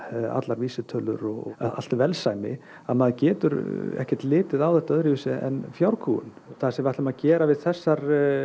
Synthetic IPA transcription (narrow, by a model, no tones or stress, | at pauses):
a̰t̪laɾviːsɪt̪ʰœlʏ̰ɾɔɣaa̰l̥t̪vɛlsaːjmɪ̰ | aðmaðcɛːt̪ʏɾɛ̰hcɛɾ̥t̪lɪːt̪ɪðawθɛht̪aœðɾɪisɪʔɛ̰nfjawɾkʰṵːʏ̰n | θaðsɛmaht̪lɛmaðcɛːɾavɪðθɛsːaɾ